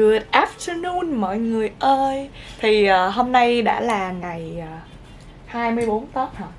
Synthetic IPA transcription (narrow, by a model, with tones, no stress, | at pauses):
ɨ˨˩ət̚ʔaː˦˥f̚t̪ə˧nu˧nmɔ̰˧˨jŋɨ˨˩əjʔəː˧jt̪ʰi˨˩ʔəː˨˩ɦo˧mna˧jɗa̰ː˧˥laː˨˩ŋa˨˩jəː˨˩ | haː˧jmɨ˧əjɓo˨˦nt̪əː˦˥t̚hɔ˧˩